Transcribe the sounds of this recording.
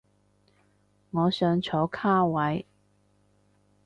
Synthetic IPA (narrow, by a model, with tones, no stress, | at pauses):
ŋɔː˨˧sœː˨˧ŋt͡ʃʰo˨˥wkʰaː˥wɐ˨˥j